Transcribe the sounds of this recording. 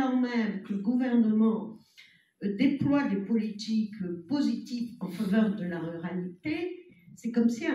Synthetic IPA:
ɑ̃mɛmkələɡuvɛʁnəmɑ̃ | d̪eplwad̪epɔlit̪ikpozit̪ifɑ̃favœʁd̪əlaʁyʁalit̪esɛkɔmsiɛ̃

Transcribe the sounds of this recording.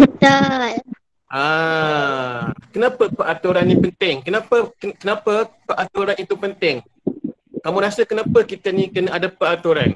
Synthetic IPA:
bət̪ol | ʔa | kənãpəpəʔat̪uɾanːĩpənt̪ɪŋkənãpəkəkənapəpəʔat̪uɾanit̪upənt̪ɪŋ | kamũɾasəkənãpəkit̪ənĩkənəadapəat̪uɾan

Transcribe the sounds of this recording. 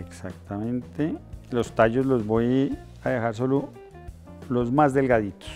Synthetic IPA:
eksakt̪amẽnt̪elost̪aʝozlozboj | aðexaɾs̬o̞lo | lozmazd̪elɡaðit̪o̥s

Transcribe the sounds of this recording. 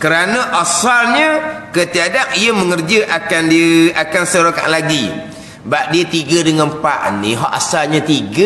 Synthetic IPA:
kəɾanə̃ʔasalɲə̃kət̪iadap̚ijəməŋərd͡ʒəʔakandiakansəɾoka̰ʔlaɡi | baʔ̚diət̪iɡədəŋəmpaʔnĩɦɔʔa̰salɲãt̪iɡə

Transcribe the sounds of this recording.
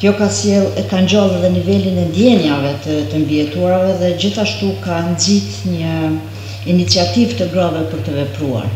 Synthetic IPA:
kjɔkasjɛlˠkaɲd͡ʑalˠɛðɛnivɛlinɛnd̪jɛnjavɛt̪ət̪əmbiɛt̪uaɾavɛðɛd͡ʑiθaʃt̪ukand͡zit̪ɲə | init͡siat̪ivt̪əɡɾavɛpəɾt̪əvɛpɾua̰ɾ

